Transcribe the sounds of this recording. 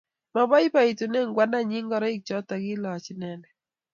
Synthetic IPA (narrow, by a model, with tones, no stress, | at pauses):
ma˨bɔ˦jpa˦˨i˨tu˨nɛ˦ŋɡwa˦na˦ɲi˦ŋɡɔ˦ɾɔ˦ɪ˦k̚t͡ʃɔ˦ta˨ɡɪ˦lɔ˨t͡ʃnɛ˨nɛ˨